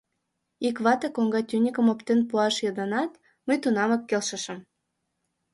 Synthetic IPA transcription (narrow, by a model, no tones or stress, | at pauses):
ikβɑt̪əkoŋɡɑt̪ʲynʲikəmopt̪enpuɑʃjod̪ɑnɑt̪ | məjt̪unɑmə̆kːelʃə̆ʃə̆m